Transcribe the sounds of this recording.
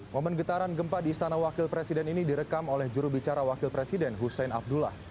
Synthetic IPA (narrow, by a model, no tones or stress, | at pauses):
momənɡət̪aɾanɡəmpadiːst̪anawakɪlpɾesidɛninidiɾəkamolɛhd͡ʒuɾubit͡ʃaɾawakilpɾesidɛnɦusɛnab̚dula̰h